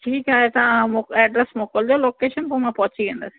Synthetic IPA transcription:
ʈʰiːkaːɦet̪ɐɐʋãmoɛːɖɾəsmoːkəld͡ʑoːloːkeːʃənpomãpɐɦʊt͡ɕiʋẽnd̪əsĩ̥

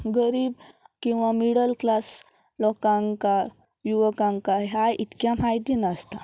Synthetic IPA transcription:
ɡəɾiːbkĩw̃ʋamiɽəlklas | lɔkãŋka | juʋəkãŋkaɦajʔit̪kjãmajd̪inəst̪a

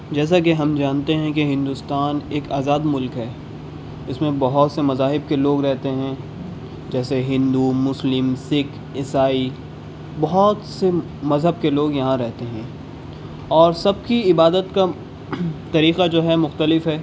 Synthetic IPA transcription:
d͡ʒɛːs̬ak̬eɦɐmd͡ʒaːnt̪eɦɛ̃keɦɪ̃nd̪ust̪aːneːkaːzaːd̪mʊlkɦɛː | ɪsmẽbɐɦʊt̪semɐzaːɦɪb̚keloːɡɾɛɦt̪eɦɛ̃ | d͡ʒɛːseɦɪ̃nd̪umʊslɪmsɪk | ɪsaːi | bɐɦʊt̪se | mɐzɦəb̚keloːɡjɐɦãɾɛɦt̪eɦɛ̃ː | ɔːɾsɐb̚kiɪbaːd̪ət̪ka | t̪ɐɾiːqad͡ʒoːɦɛmʊxt̪əlɪfɦɛː

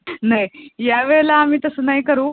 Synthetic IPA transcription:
najjaʋeɭlaːmiːt̪əsənajkəɾuː

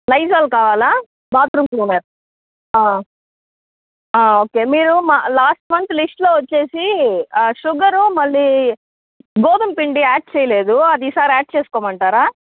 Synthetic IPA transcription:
lɐjd͡ʒaːlkaːʋaːlaː | baːt̪ɾumkluːmeːɾ | aː | aːoːke̞ːmiːɾumalaːsʈmɐnt̪lisʈloːʋɐt͡ʃːe̞ːsi | ʃuɡɐɾumɐɭːiː | ɡoːd̪ɐmpiɳɖiaːʈ̚t͡ʃɛːjɐle̞ːd̪uɐd̪iːsaːɾiaːʈ̚t͡ʃeːsu̥kɔːmɐɳʈaːɾaː

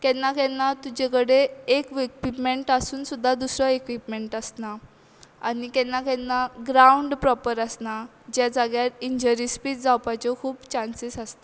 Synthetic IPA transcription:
kɛnːakɛnːat̪ud͡ʑekəɽeːkʋikʋipmeɳʈasuːnsud̪ʱːad̪usɾɔekʋipmeɳʈəsna | anikɛnːakɛnːaɡɾauɳɖpɾɔpəɾəsna | d͡ʑjad͡zaɡjat̪iɲd͡ʑəɾispiːt͡sd͡zawpat͡ɕɔkʰuːpt͡ɕansisəst̪a

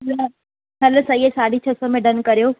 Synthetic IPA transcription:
la | ɦɐlsɐiesaːɽit͡ɕʰɐsomẽɖɐnkɐɾijoː

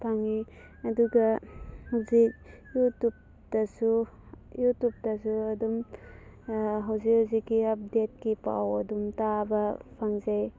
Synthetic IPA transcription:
pʰaŋi | ɐduɡɐhawzik̚ | jutup̚ | tɐsu | jutup̚tɐsuɐdum | ɦawzik̚hazikːiɐp̚det̚kipa̰wɐdumtabɐpʰaŋzaj

